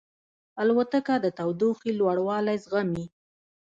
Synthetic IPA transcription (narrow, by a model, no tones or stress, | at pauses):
alwat̪əkad̪ət̪awd̪uxilwaɽwɑlajzɣami